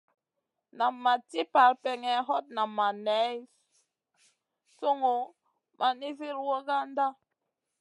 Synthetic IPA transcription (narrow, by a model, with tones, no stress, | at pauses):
na˨mːa˨ti˦pa˨lpɛ˨ŋɛ˨ɦɔ˦t̚na˨mːa˨nɛ˨˦j | so˦ŋo˨ | mʔa˨ni˦vi˦ɾwo˦ɣa˦n˦da˦